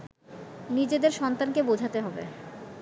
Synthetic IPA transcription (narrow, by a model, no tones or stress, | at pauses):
nid͡ʑed̪eɾʃɔnt̪ankebod͡ʑʱat̪eɦɔbḛ